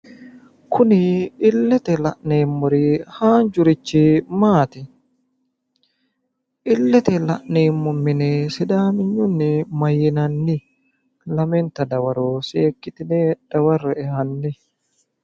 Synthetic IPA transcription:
kʰʊnɪɪlːɛt̪ɛlɐ̰ʔneːmːʊɾihaːnd͡ʒʊɾɪt͡ʃːɪmaːt̪ɪ | ʔɪlːɛt̪ɛlɐʔneːmːʊmːɪnɛsɪd̪aːmɪɲːʊnːɪmɐjːɪnɐnːɪ | lɐmɛnt̪ɐd̪ɐwɐɾoːseːkːɪt̪ɪned̪̥ɐwɐrːɛɛhɐnːɪ

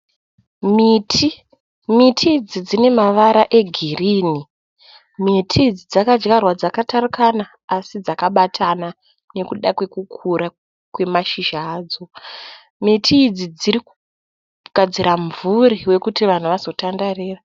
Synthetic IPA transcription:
mitʰi | mitʰid͡zid͡zine̞maʋaɾaʔe̞ɡʱiriːni | mitʰid͡zid͡zakad͡ʒɡarwad͡zakatʰarukanaːsid͡zakaɓatʰana | ne̞kuɗakwe̞kukʰuɾa | kwe̞maʃiʒaːd͡zo | mitʰiːd͡zid͡ziɾiku̥ | ɡ̥ʱad͡ziɾaɱvuriwe̞kutiʋan̤uʋazo̞tandariːra

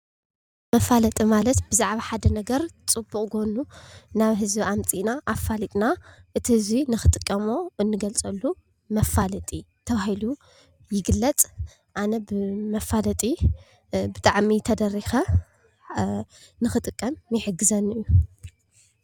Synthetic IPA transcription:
mɐfalɐt̪ʼimalɐt̪b̥ɨzaʕβaħad̪ɐnɐɡɐɾt͡sʼɨbːuχʼɡonunaβɦɨzbiamt͡sʼinaʔafːalit̪ʼnaʔɨt̪ʰihɨzinɨxɨt̪ʼɨkʼːɐmo̞ʔɨnːɨɡɐlt͡sʼɐlːu | mɐfalɐt̪ʼit̪ʰɐβahilu | jɪɡɨlːɐt͡sʼ | ʔanɐbɨmɐfalɐt̪ʼi | bɨt̪ʼaʕmit̪ʰɐd̪ɐrːixɐ | nɨxɨt̪ʼɨkʼːɐmjɪħɨɡːɨzɐnɨjːu

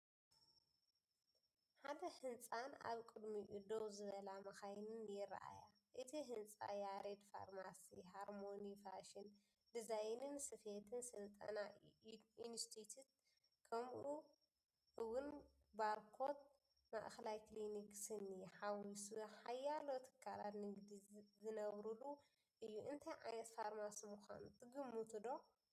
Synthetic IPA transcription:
ħad̪ɐhɨnt͡sʼana̰βkʼɨd̪miʔɨd̪owzɨβɐlamɐxajnɨnjɪɾ̰ʔa̰ja | ʔɨt̪ʰiɦɨnt͡sʼa̰jaɾed̪fa̰ɾmasiɦaɾmonifaʃin | d̪izajnɨnsɨfet̪ʰɨnsɨlt̪ʼɐ̰na | inst̪ʰit̪ʰut̪̚ | kʰɐmʔu | ʔɨwʊn | balkʰot̪̚ | ma̰ʔxɐlajkliniksɨniħawisuħajːalot̪ʰɨ̥kʰːala̰t̪nɨɡd̪izɨnɐβɾulu | ʔɨjːuʔɨnt̪ʰajʕa̰nɐt̪faɾmasimuxʷa̰nut̪ʰɨɡɨmːut̪ʰɨd̪o

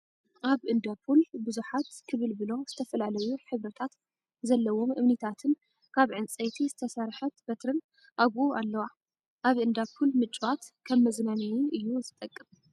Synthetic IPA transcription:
ʔaβʔɨnd̪apʰulbɨzuħat̪kʰɨβɨlbɨlo̞z̥ɨt̪ʰɐfɐlalɐjuħɨβɾɐt̪ʰat̪ | zɐlːɐwo̞mʔɨβnit̪ʰat̪ʰɨn | kʰaβʕɨnt͡sʼejt̪ʰizɨt̪ʰɐsaɾħɐt̪bɐt̪ɾɨn | ʔaβualːɐwa | ʔaβɨnd̪apʰulmɨt͡ʃʼwat̪kʰɐβmɐznanijiʔɨjːuzɨt̪ʼɐkʼːɨm

